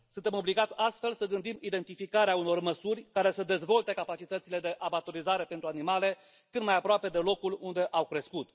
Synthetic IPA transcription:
sunt̪e̞mo̞bliɡat̪sʲast̪fe̞lsəɡɨnd̪imid̪e̞nt̪ifikaɾeauno̞rməsurʲkaɾe̞səd̪e̞zvo̞lt̪e̞kapat͡ʃit̪ət̪sile̞d̪e̞ʔabat̪oɾizaɾe̞pe̞nt̪ɾuanimale̞ | kɨt̪majapɾoape̞d̪e̞lo̞kulund̪e̞ʔawkɾe̞skut̪

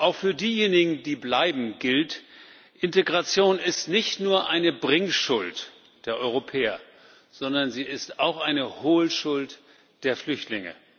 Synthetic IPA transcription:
ʔaʊxfyːɐdiːjeːnɪɡŋ̩diːblaɪbm̩ɡɪlt | ʔɪnteɡʁat͡sjoːnɪstnɪçtnuːɐʔaɪnəbʁɪŋʃʊlt | d̥eːɐʔɔʏʁopʰɛːɐ | z̥ɔndɐnziːɪstaʊxʔaɪnəhoːlʃʊlt | d̥eːɐflʏçtlɪŋə̰

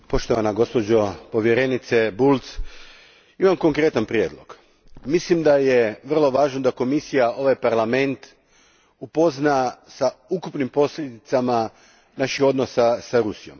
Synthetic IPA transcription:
po̞ʃt̪o̞ʋanaɡo̞spo̞d͡ʑopo̞ʋje̞ɾe̞nit̪sebulˠt̪s | imamko̞ŋkɾe̞t̪anpɾjeːd̪lˠo̞ɡ̥ | mislimd̪aje̞ʋr̩lˠo̞ʋaːʒno̞d̪ako̞misijao̞ʋajpaɾlame̞nt̪ | upo̞znasaukupnimpo̞slʎʲed̪it̪sama | naʃixo̞d̪no̞sasaɾusijo̞̰m

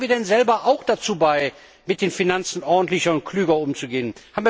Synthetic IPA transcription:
viːɐdɛnzɛlbɐʔaʊxd̥at͡suːbaɪ | mɪt̚d̥eːnfinant͡sn̩ʔɔɐdn̩tlɪçɐʊnt̚kʰl̥yːɡɐʊmt͡suɡeːənhaːbm̩viː

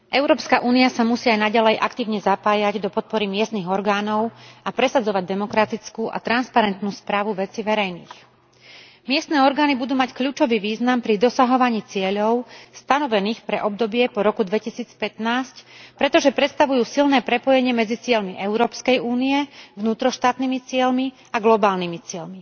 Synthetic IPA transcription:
ʔɛʊɾɔːpskaʔuːniasamusiːajnaɟalɛjʔa̰kt̪iːʊɲɛzapaːjaɟd̪ɔpɔt̪̚pɔɾimɪɛst̪niːɣɔɾɡaːnɔʊapɾɛsad͡zɔʋaɟd̪ɛmɔkɾat̪it͡skuːʔa̰t̪ɾanspaɾɛnt̪nuːspɾaːʋuʋɛt͡siʋɛɾɛjnḭːx | mɪɛst̪nɛːɔɾɡaːnibud̪uːmackʎuːt͡ʃɔʋiːʋiːznampɾid̪ɔsaɦɔʋaɲiːt͡sɪɛʎɔʊst̪anɔʋɛniːxpɾɛʔɔb̚d̪ɔbɪɛpɔɾɔkud̪ʋɛcisiːt͡spɛt̪naːscpɾɛt̪ɔʒɛpɾɛt̪st̪aʋujuːsilnɛːpɾɛpɔjɛɲɪɛmɛd͡zit͡sɪɛʎmiʔɛʊɾɔːpskɛjuːnijɛvnuːt̪ɾɔʃt̪aːt̪nimit͡sɪɛlmi | aɡlɔbaːlnimit͡sɪɛʎmi

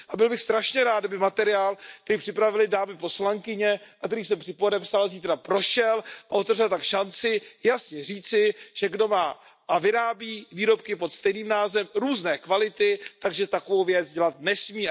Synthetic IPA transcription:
ʔabɪlbɪxst̪ɾaʃɲɛɾaːt̪dabɪmat̪ɛɾɪaːlk̚t̪ɛɾiːpr̥ɪpɾavɪlɪdaːmɪpo̞slaŋkɪɲɛakt̪ɛɾiːs̬ɛmpr̥ɪpodɛpsalziːt̪ɾapɾo̞ʃɛlʔaʔo̞t̪ɛvrɛlt̪akʃant͡sɪjasɲɛriːt͡sɪʒ̥ɛɡdo̞maː | ʔavɪɾaːbiːviːɾo̞p̚kɪpo̞t̪st̪ɛjniːmnaːzɛmɾuːznɛːkvalɪt̪ɪt̪aɡʒɛt̪akovo̞wvjɛt͡sɟɛlat̪nɛsmiː

